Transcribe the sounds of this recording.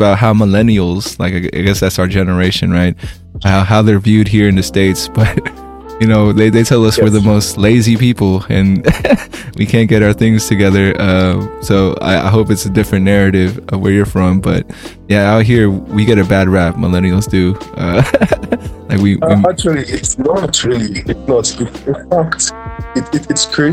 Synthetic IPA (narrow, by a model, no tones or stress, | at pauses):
əbaʊt̚ɦaʊməlɛnil̩ˠz̥la̰ɪkaɪa̰ɪɡɛsðætsaʊə˞d͡ʒɛnə˞eɪʃɨ̃nɹaɪt̚ | haʊɦaʊðə˞vjʉd̚ɦiɹɨ̃nɨsteɪtsb̥ʌt̚ | jɨnoʊðeɪðeɪtʰɛlˠʌswə˞ðɨmoʊstˡleɪzipipl̩ˠɨ̰̃n | wikʰæ̃nɡ̥ɛɾaʊə˞θɪ̃ŋz̥tʰɨɡɛðə˞ʔʌ̃soʊa̰ɪʔa̰ɪɦoʊpɨtsɨdɪfɹɨ̃nnːɛɹɨɾɪv̥ʌwə˞jə˞fɹʌ̃mbʌ̰t̚ | jæaɪɦiɹwiɡɑɾɨbæd̚ɹæp̚mə̰lɛ̃ñil̩ˠzdʉʔʌ̰ | laɪkwiit͡ʃlˠiɪtnoæt͡ʃɹɪlˠiɪtsnətsɪɪaktɪɪɨtskʰi